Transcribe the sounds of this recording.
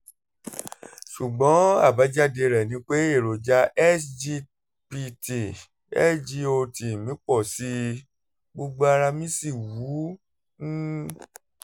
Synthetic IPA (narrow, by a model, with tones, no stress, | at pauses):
ʃu˨ɡ͡bɔ̃˨˦a˦˨ba˨˦d͡ʒa˦de˧ɾɛ˨nĩ˧k͡pe˦e˦˨ɾo˨d͡ʒa˧ʔɛ˦sd͡ʒi˧ | pi˧ti˨ | ɛ̰˦sd͡ʒi˧o˧ti˨mĩ˨˦k͡pɔ˦˨si˦ | ɡ͡bo˧ɡ͡bo˦a˧ɾa˧mĩ˦si˦˨wũ˨˦